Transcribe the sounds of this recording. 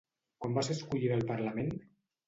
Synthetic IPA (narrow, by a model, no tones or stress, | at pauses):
kwambaseskuʎiðəlˠpəɾləmen